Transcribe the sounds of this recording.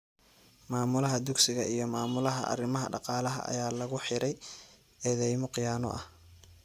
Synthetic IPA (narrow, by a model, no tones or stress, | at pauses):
maːmʊlɐɦɐd̪ʊɡsɪɣɐʔijɞmaːmʊlɐɦɐ̰ʔɐ̰rɪmɐɦɐ̰ɖɑqɑːlɐɦɐ̰ʔɐ̰jaːlɐɣʊħɪɾɛj | ɛːðɛjmɔqɪjaːnɔ̰ʔɐh